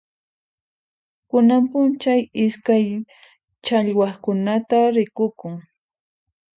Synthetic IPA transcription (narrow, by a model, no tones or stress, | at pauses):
kʊnampʊnt͡ʃajɪskaj | t͡ʃaʎwaχkʊnat̪aɾɪkʊkʊŋ